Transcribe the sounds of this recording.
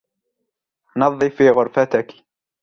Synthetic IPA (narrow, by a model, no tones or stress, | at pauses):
nɑðˤːifiːɣʊɾfat̪ɪk